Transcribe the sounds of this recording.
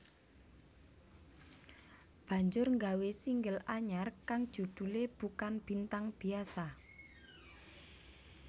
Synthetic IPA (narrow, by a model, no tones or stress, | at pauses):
b̥ä̤ɲd͡ʒʊrŋɡawesiŋɡəlaɲarkaŋd̥ʒ̥ṳd̪̥ṳleb̥ukanb̥i̤nt̪aŋb̥i̤asa